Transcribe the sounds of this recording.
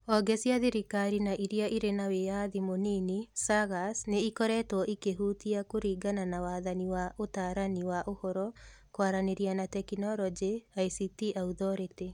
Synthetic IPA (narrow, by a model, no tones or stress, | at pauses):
ɔɡɛsjaðiɾikaɾinaʔiɾiaʔiɾenawejaðimoninisaɡasneikɔɾɛtɔʔikeɦuːtiakoɾiːɡananawaːðaniwaʔotaːɾaniwaʔohɔɾɔkwaɾaneɾianatɛkinɔɾɔd͡ʒiaisitiʔauðɔɾete